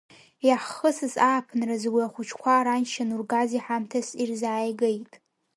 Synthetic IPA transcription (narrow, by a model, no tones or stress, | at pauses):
jaħəsɨzaːpʰnrazɡʷiaχʷʊt͡ʃʰkʷʰaɾanʃanurɡaziħamtʰasirzaːjɡejtʼ